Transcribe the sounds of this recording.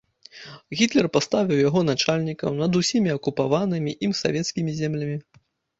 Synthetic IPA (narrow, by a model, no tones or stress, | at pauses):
ɣʲit̪lʲɛrpast̪avʲiwjaɣɔn̪at͡ʂalʲnʲikɐwnɐd̪usʲimʲiɐkupavanɨmʲiʔimsa̰vʲɛt̪skʲimʲizʲɛmlʲɐmʲi